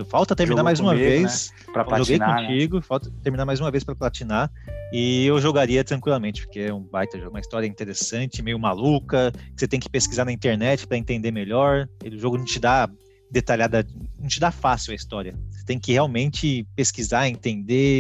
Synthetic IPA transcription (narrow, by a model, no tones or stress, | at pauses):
fawt̪ɐt̪eɾminaɾmajzũmɐves | ɾɐʒoɡej̪õt͡ʃiɡʊfawt̪ɐt̪eɾminaɾmajzũmɐvespɾɐplat͡ʃina | ɪewʒoɡaɾiɐt̪ɾɐ̃ŋkwilamẽnt͡ʃɪpo̥ɾkeɛũbajt̪ɐʒoũmɐist̪ɔɾiɐĩt̪eɾesɐ̃nt͡ʃɪmejʊmalukɐkɪ̥set̪ẽj̃kɪ̥peskizaɾnɐĩnt̪eɾnɛt͡ʃɪ̥pɾɐẽnt̪ẽnd̪emeʎɔɾd̪ʊʒoɡʊnɐ̃w̃t͡ʃɪd̪a | d̪et̪aʎad̪ɐnɐ̃w̃t͡ʃɪd̪afasiwɐist̪ɔɾiɐse̥t̪ẽj̃kɪheawmẽnt͡ʃɪpeskizaẽnt̪ẽnd̪e